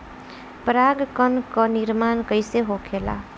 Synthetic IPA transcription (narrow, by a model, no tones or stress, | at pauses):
pɾaɡkənkəniɾmankəɪseɦokʰela̰